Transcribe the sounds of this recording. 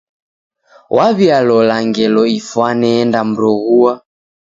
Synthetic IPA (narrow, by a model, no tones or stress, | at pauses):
wʔaβjalɔlaŋɡɛlɔifwanɛːndam̩ɾɔɣua